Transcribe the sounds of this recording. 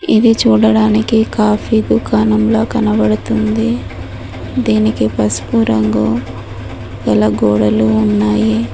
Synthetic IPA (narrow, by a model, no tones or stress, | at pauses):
id̪it͡ʃuːɽɐɽaːnikikaːpʰid̪ukaːnɐmlo̞ːkɐnɐbɐɽut̪und̪i | d̪iːnikipɐspuɾɐŋɡu | ɡɐlɐɡoːɽɐluːnːaːji